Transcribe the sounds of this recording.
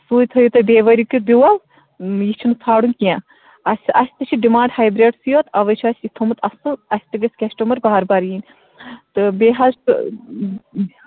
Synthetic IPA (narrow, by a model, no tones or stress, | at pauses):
suːjt̪ʰɐjut̪ɨbeːʋɐɾʲiukibʲiwɐl | jit͡ʃʰunɨt͡sʰaːɽunkijã | ɐsʲɐsʲt̪ɨt͡ʃʰiɖimãːɳɖhaːjbɾeːɖsijoːt̪ɐʋɐt͡ʃʰasʲit̪ʰomɨt̪ɐsɨɐsʲt̪ɨɡɐsʲkʲɐsʈɐmɐɾbaɦɐɾbɐɾjiːnʲ | t̪ɨbeɦɐz